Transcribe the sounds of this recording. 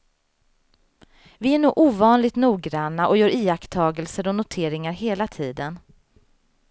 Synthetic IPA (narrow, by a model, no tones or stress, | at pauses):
vɪæɳuːɡʔuːvɑːnlɪɡ̚t̪nuːɡɾanːaʔɔjœːɾiːakt̪ʰːɑːɡəlsəɾɔnʊt̪ʰeːɾɪŋaɾɦeːlat̪ʰiːd̪ən